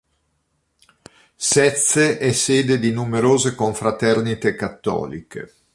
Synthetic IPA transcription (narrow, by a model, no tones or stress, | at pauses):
sɛt̪seʔɛseːd̪ed̪inumeɾoːzekoɱfɾat̪ɛrnit̪ekat̪ːɔ̰ːlḭkḛ